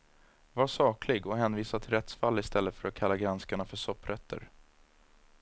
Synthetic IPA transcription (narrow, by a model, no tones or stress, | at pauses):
vaʂɑːkʰlɪɡɔɦɛːnviːsat̪ʰɪlɾɛt̪sfalːɪst̪ʰɛlːət̪fœɾat̪̚kʰalːaɡɾanskaɳafœʂɔpːɾʔɛt̪ʰːə̰ɾ